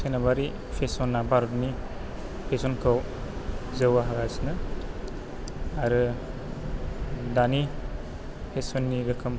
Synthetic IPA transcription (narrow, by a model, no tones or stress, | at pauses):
senabaɾi | pʰesɔnːabaɾutni | pʰesɔnkʰɯw | zɯwaɦaɡasnɯ | aɾɯ | dani | pʰesɔnːiɾɯkʰɯm